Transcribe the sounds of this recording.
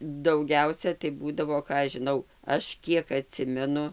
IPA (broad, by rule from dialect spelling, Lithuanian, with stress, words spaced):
dɐʊˈɡʲɛʊsʲɛ tɐɪ ˈbuːdɐʋoː ˈkɑː ɐʃ ʒʲɪˈnɐʊ ˈɐʃ ˈkʲiɛk ɐˈtʲsʲɪmʲɛnʊ